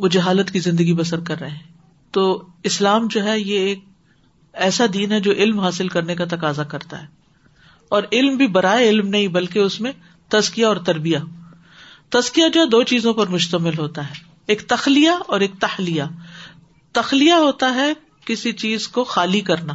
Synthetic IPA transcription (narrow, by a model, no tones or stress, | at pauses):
mʊd͡ʒʱeɦaːlət̪kizɪ̃nd̪əɡibɐsəɾkɐɾːɐɦeɦɛ̃ː | t̪oːɪslaːmd͡ʒoːɦɛjeeːk̚ | ɛːsad̪iːnɦɛd͡ʒoːʔɪlmɦaːsɪlkɐɾnekat̪ɐkaːzakɐɾt̪a̰ɦɛː | ɔːɾɪlmbʱibɐɾaːeɪlmnɐɦĩbɐlk̬eʊsmẽ | t̪ɐzkijaɔːɾt̪ɐɾbija | t̪ɐzkijad͡ʒoːɦɛd̪oːt͡ʃiːzõpɐɾmʊʃt̪əmɪlɦoːt̪aɦɛː | eːkt̪ɐxlijaɔːɾeːk̚t̪ɐxlija | t̪ɐxlijaɦoːt̪aɦɛ | kɪsit͡ʃiːzkoxaːlikɐɾnaː